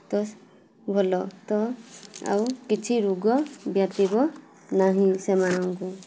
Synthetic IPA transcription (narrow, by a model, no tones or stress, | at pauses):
t̪ɔs | bʱɔlɔt̪ɔa̰wkit͡ʃʰiɾuɡɔbjat̪ibɔ | naɦĩsemanaŋku